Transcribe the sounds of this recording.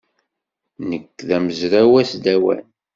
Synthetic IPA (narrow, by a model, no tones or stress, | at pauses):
nəkːðæməzɾæwæsd̪æwæ̰n